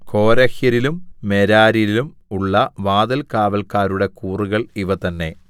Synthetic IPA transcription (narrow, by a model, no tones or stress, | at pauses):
ko̞ːɾɐxjɐɾilumːeɾaːɾijlilum | uɭːɐʋaːd̪ɐlkaːʋɐlkaːɾuɽe̞kuːruɣɐɭiʋɐt̪ɐnːe̞